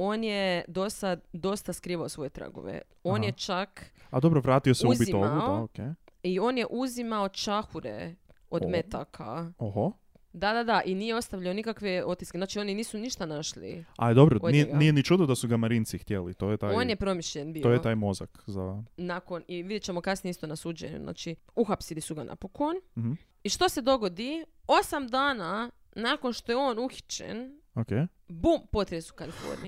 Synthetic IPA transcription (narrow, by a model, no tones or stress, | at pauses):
o̞ːnjed̪o̞sad̪o̞st̪askɾiːʋaosʋo̞jet̪ɾa̰ɡo̰ʋḛ | o̞ːnjet͡ʃakad̪o̞bɾoʋɾaːt̪ioseuzbitiomʋauookeio̞ːnjeʔuzimao̞t͡ʃaxuɾḛ | od̪met̪akʰa̰oho | d̪ad̪ad̪aʔinijeo̞st̪aʋʎaonikakʋeo̞t̪ːiskeznaːt͡ʃio̞niniːsuniʃt̪anaʃlḭa̰id̪obɾood̪ieɡnijenit͡ʃuːd̪od̪asuɡamaɾint̪sixt̪jelḭt̪oːjet̪aːjoːnjepɾo̞miʃʎenbiːoːjeot̪aːjmo̞za̰kzanako̞niʋid̪jet͡ʃe̞mo̞kasnieist̪o̞nasuːd͡ʒḛɲṵzna̰ːt͡ʃi | uxapsilisuɡanʔa̰pokonm̩hm̩ | iʃt̪o̞se̞d̪o̞ɡo̞d̪io̞samd̪aːna | nako̞nʃt̪o̞jeo̞ːnuxi̥t͡ʃḛn | oke | bumpo̞t̪ɾeesu̥kalifo̰ɾnḭ